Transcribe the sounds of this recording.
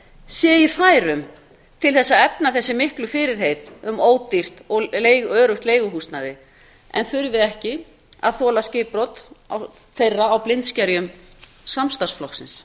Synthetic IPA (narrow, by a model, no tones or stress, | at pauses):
sjɛːiθaːjɾʏm | t̪ʰɪlθɛsːaðɛpnaθɛsːɪmɪhklʏfɪːɾɪɾ̥ɦeːjt̪ʏmoːwt̪ir̥t̪ɔlejɣœːɾʏht̪leːjɣʏɦust̪naðɪ | ɛ̰nθʏɾvɪðɛhcɪ | a̰ðθɔːlascɪːpɾɔt̪a | θejrːaːwplɪnt̪scɛɾjʏm | samst̪ḁsflɔksɪns